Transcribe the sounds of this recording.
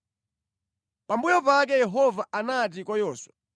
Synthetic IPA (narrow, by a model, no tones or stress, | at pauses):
pambujɔpak̬ɛjɛɦɔvaʔanat̬ikɔjɔːswa